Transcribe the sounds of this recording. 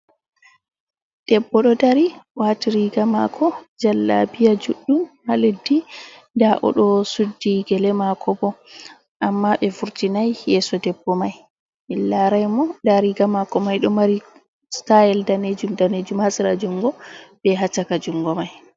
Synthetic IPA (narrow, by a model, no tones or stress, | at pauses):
d̥ɛbːɔɗɔdaɾiwatiɾiɡamakʰɔd͡ʒalːa̰bijad͡ʒuɗːumhaledːi | daʔɔ̰ɗɔsudːiɡɛlɛmakʰɔbɔ | ʔamːaɓɛfuɾtinajjɛsɔdɛbːɔmaj | milːaɾajmɔdaɾiɡamakɔmajɗɔmaɾi | stajɛldaned͡ʒumdaned͡ʒumhasiɾad͡ʒuŋɡɔɓɛɦat͡ʃakad͡ʒuŋɡɔmaj